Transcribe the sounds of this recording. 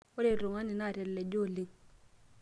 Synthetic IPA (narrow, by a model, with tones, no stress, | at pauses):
o˦ɾe˦˨ɾo˨ŋa˦ni˨na˦˨ɾɛ˨lːe˨d͡ʒo˦˨li˦ŋ